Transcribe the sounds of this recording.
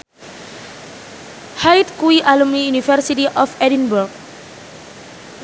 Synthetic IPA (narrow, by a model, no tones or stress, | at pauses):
hajt̪kuiʔalumnijunifərsitiʔɔfɛdinburɡ̚